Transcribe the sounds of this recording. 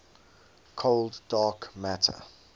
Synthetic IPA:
kʰolddɑːkmætʰə̰

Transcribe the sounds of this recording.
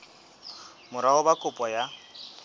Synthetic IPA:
mʊɾahʊbakʼʊpʼɔja

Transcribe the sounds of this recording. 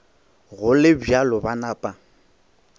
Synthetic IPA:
ɣʊlɪbjalɔbanaːpʼa

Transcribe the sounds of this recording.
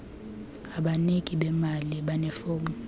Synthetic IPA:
aɓanekʼiɓɛmaliɓanɛfoːmu

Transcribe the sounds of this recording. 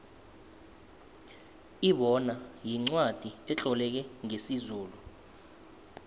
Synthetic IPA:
iɓɔnajiŋ͡ǀwad̥ʱiɛt͡ɬʼɔlɛk̬ɛŋesizuːlu

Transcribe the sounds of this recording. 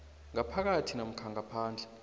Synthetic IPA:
ŋapʰak̬atʰinam̩kʰaŋapʰaːnd͡ɮʱɛ

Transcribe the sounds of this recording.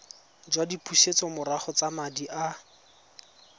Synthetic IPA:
d͡ʒwadipʰʼuʃet͡sɔmʊɾaχɔt͡samadiʔa

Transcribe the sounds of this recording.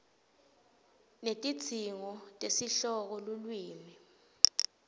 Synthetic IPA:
netʼit͡sʰiŋɔtʼesiɬɔk̬ɔlulwiːmi

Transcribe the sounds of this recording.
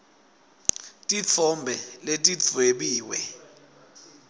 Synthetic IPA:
tʼiɔmbʱɛletʼit͡sweɓiːwɛ

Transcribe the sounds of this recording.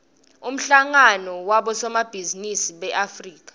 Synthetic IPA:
um̩ɬaŋanɔwaɓɔsɔmab̥ʱizinisiɓɛʔafriːk̬ʼḁ

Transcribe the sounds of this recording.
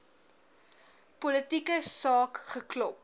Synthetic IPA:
pɔlətikəsɑːkχəklɔp̚

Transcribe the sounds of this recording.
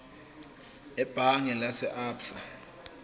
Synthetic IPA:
ɛb̥ʱaŋɛlasɛʔaːpsa

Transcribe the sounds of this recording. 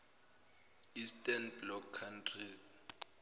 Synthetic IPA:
istʼanblɔkʰːantʰriz

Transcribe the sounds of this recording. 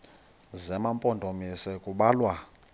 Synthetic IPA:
zɛmampʼɔndʱomisɛkʼuɓaːlwa

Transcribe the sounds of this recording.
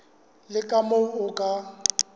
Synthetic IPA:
lɪkʼamoʊkʼa

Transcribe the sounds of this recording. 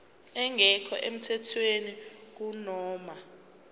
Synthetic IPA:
ɛŋʱɛkʰɔ̰ʔem̩tʰɛtʰwenik̬unɔːma

